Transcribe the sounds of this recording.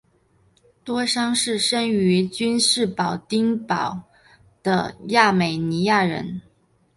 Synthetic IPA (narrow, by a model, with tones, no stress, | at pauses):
t̪wɔ˥ʂɑ˥ŋʂɻ̩˥˩ʂə˥ŋy˧˥t͡ɕy˥nʂɻ̩˥˩pɑ˨˩ʊt̪i˥ŋpɑ˨˩˦ʊ | d̪̥ə̰˧ja˥˩me˨˩ɪni˧˥ja˥˩ɻə̰˧˥n